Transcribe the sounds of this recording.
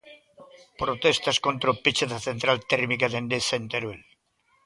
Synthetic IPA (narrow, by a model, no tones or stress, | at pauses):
pɾot̪est̪askont̪ɾopit͡ʃeðaθent̪ɾalt̪ɛɾmikaðend̪esent̪eɾwel